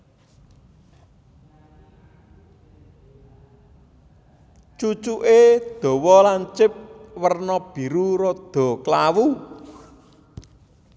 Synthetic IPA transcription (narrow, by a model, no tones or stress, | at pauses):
t͡ʃut͡ʃuʔed̪̥ɔ̤wɔlaɲt͡ʃɪp̚wərnɔb̥i̤ɾuɾɔd̪̥ɔ̤klawu